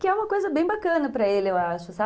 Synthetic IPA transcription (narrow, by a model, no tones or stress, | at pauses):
kɪɛũmɐkojzɐbẽj̃bakɐ̃nɐpɾɐelɪewaʃʊsa